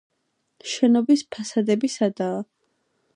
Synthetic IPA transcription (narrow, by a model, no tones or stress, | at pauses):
ʃɛnɔbispʰasad̪ɛbisad̪aː